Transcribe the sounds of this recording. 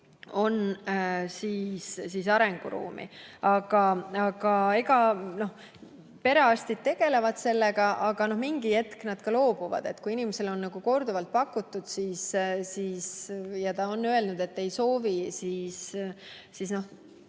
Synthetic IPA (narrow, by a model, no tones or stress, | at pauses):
o̞n | siːssis̬ɑɾeŋɡ̥uɾṵːmʔḭɑɡ̥ɑɑɡ̥ɑeɡɑno̞h | pe̞ɾeɑst̪id̪̥̚t̪e̞ɡ̥e̞le̞vɑd̪̥se̞lːeɡɑʔɑɡ̥ɑno̞hmiŋɡie̞t̪knɑd̪̥kɑlo̞ːb̥uvɑ̰d̪̥e̞t̪ːkuinimese̞lo̞nːɑɡ̥uko̞rd̪uvɑlt̪̚pɑkːut̪ːˑud̪̥siːssiːsjɑt̪ɑo̞nːøe̞lnud̪̥e̞t̪ːe̞jso̞ːvisiːs | sisno̞h